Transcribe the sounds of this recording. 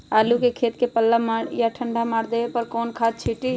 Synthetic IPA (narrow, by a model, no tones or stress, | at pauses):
aːlukekʰeːt̪kepəlːamaːɽjaʈʰə̃ɳɖamaːɽd̪eːepəɾkɔːnkʰaːt̪̚t͡ʃʰiːʈi